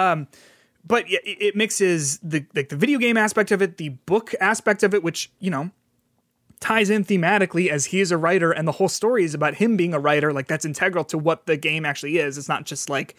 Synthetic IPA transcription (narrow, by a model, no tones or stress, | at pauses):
ʌ̃m | b̥ʌt̚jæʔɪʔɪt̚mɪksɪzðɨlaɪk̚ðɨvɪɾioʊɡẽɪ̃mæspɛk̚tʌvɨt̪̚ðɨb̥ʊkʰæspɛk̚tʌvɨt̚wɨt͡ʃjɨñoʊ | tʰaɪzɪ̃nθimæɾɨkliɨz̥iɨzɨɹaɪɾə˞ʔɨ̃nðəhoʊlˠstɔɹiɨzɨbaʊt̚hɨ̃mbiɪ̃ŋəɹaɪɾə˞laɪk̚ðætsɨ̃ntʰɛɡɹl̩ˠtʰəwʌt̪̚ðɨɡẽɪ̃mæk̚t͡ʃʉl̩ˠiɪzɨtsnə̰t̚d̥ʒ̥ʌstˡlaɪk